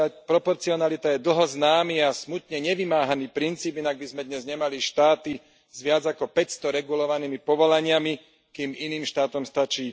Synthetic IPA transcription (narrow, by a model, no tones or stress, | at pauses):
apɾɔpɔɾt͡siɔnalit̪ajɛd̪l̩ˠɦɔznaːmiːasmut̪ɲɛɲɛʋimaːɦaniːpɾint͡siːbinaɡ̚bizmɛd̪ɲɛzɲɛmaliʃt̪aːt̪i | zʋɪad͡zakɔpɛcst̪ɔɾɛɡulɔʋaniːmipɔʋɔlaɲɪami | kiːminiːmʃt̪aːt̪ɔmst̪at͡ʃiː